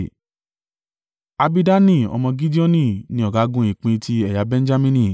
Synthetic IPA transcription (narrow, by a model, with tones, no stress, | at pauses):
a˧bi˦da˦nĩ˦˨ɔ̰˧mɔ̃˧ɡi˦di˦ɔ˦nĩ˦˨nĩ˧ɔ˨ɡa˨˦ɡũ˦ĩ˨k͡pĩ˧ti˧ɛ˨ja˨˧bɛ̃˦n̩˦d͡ʒa˦mĩ˦nĩ˧˨